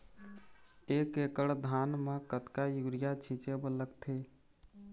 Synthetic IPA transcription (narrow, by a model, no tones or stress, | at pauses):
eːkekəɽd̪ʱaːnmekət̪kajuɡɾijat͡ʃʰit͡ʃebələkt̪ʰe